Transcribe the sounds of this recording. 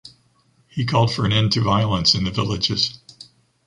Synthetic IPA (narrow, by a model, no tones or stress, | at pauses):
hikʰɔlˠd̥fə˞ɨ̃nɛ̃ntʰɨvaɪl̩ˠə̃nsɨ̃nðɨvɪlˠɨd͡ʒɪz̥